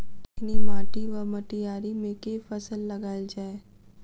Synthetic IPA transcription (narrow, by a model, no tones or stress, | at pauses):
nimaːʈiʋəməʈijaːɾimẽkefɐsəlːɐɡaːid͡ʒaːe